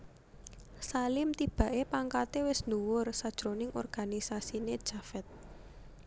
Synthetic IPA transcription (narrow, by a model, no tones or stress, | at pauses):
salɪmt̪ib̥ä̤ʔepaŋkat̪ewɪsnuwʊrsad̥ʒ̥ɾonɪŋʔɔ̰rɡ̥anisasined̥ʒ̥afɛt̪̚